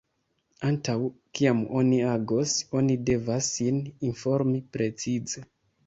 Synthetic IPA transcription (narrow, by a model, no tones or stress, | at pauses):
antawkiamo̞niaɡo̞so̞nide̞vasːininfo̞ɾmipɾe̞t͡size̞